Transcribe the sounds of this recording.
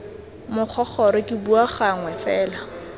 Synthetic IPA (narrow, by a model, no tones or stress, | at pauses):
mʊk͡xʰɔχʰɔɾɪkʼɪbuaχaŋwɛfɛːla